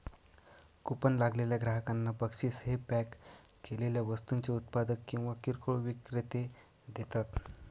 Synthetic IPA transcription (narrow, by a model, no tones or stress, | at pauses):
kupənlaɡleljaɡɾaɦəkanːapəkʂiːsɦepækː | eleljaʋəst̪unt͡seut̪̚pad̪əkːĩw̃ʋakiɾkʰoɭʋikɾet̪e | d̪et̪at̪